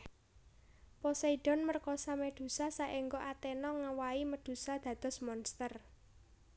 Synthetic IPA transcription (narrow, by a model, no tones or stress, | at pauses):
pɔsaiɖ̥ɔ̤nmərkɔsamed̪̥ṳsasaʔeŋɡɔʔat̪enɔŋawaiməd̪̥ṳsad̪̥ä̤d̪̥ɔ̤smɔnst̪ər